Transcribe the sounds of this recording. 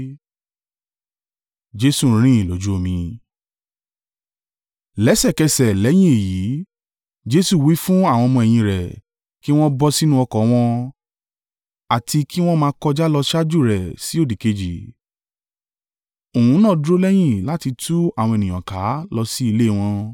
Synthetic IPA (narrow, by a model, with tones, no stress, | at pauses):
d͡ʒe˦su˦˨ɾ̃ĩ˦i˨lo˨˦d͡ʒu˦o˦˨mĩ˧ | lɛ˨˦sɛ˦˨kɛ˧sɛ˨lɛ˨˦j̃ĩ˦e˨ji˨˦ | d͡ʒe˦su˦˨wi˨˦fũ˦a˦˨w̃ɔ̃˧mɔ̃˧ɛ˨j̃ĩ˧ɾɛ˨ | ki˦w̃ɔ̃˦bɔ˧si˦nũ˦ɔ˧kɔ˨˦w̃ɔ̃˧ | a˨tʰi˧kʰi˦w̃ɔ̃˦mãː˧˦kɔ˧d͡ʒa˦lɔ˧ʃa˦d͡ʒu˦˨ɾɛ˨si˨˦o˦˨di˨ke˧d͡ʒi˨ | o˨hũ˨˦nã˦˨dɾo˦lɛ˦j̃ĩ˦˨la˨˦ti˧tu˦a˦˨w̃ɔ̃˧e˨nĩ˨ɔ̃˨ka˨˦lɔ˧si˦i˧le˦˨w̃ɔ̃˧